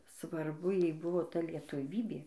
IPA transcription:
sʋɐrˈbʊ ˈjɛɪ ˈbʊʋoː ˈtɐ lʲiɛtʊˈʋʲiːbʲeː

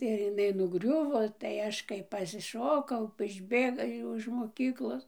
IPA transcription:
ɪr ɪˈnɐɪ nʊˈɡrʲʊʋoː tɐɪ ˈɐʃ kɐɪ pɐsʲɪˈʃoːkɐʊ ɪʒʲˈbʲeːɡɐ ˈjɛʊ ɪʃ moːˈkʲiːklˠoːs

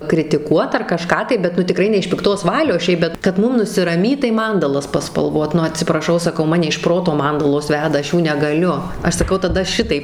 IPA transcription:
krʲɪtʲɪˈkuɔt ɐr kɐˈʃkɑː tɐɪ bʲɛt ˈnʊ tʲɪˈkrɐɪ nʲɛ ɪʃ pʲɪkˈtoːs ˈʋɑːlʲoːs ˈʃʲɛɪp bʲɛt kɐt ˈmʊm nʊsʲɪrɐˈmʲiːt tɐɪ ˈmɐndɐlˠɐs pɐspɐlˠˈʋoːt ˈnʊ ɐtʲsʲɪprɐˈʃɐʊ sɐˈkɐʊ ˈmɑːnʲɛ ɪʃ ˈproːtoː ˈmɐndɐlˠoːs ˈʋʲæːdɐ ˈɐʃ ˈjuː nʲɛɡɐˈlʲʊ ˈɐʃ sɐˈkɐʊ tɐˈdɐ ˈʃʲɪtɐɪp

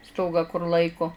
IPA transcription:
ˈstoːɡɑː kʊr ˈlˠɐɪkoː

